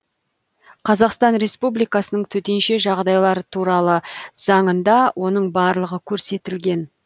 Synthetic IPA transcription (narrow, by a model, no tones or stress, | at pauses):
qʰɑzɑqst̪ɑnɾe̞spublijkɑsənəɴt̪ʰɵt̪e̞nʃe̞ʒɑʁd̪ɑjlˠɑɾət̪ʰuɾɑlˠəz̥ɑɴənd̪ɑwʔo̞nəɴbɑɾlˠəʁəkʲʰɵɾse̞t̪ɪlɡʲe̞n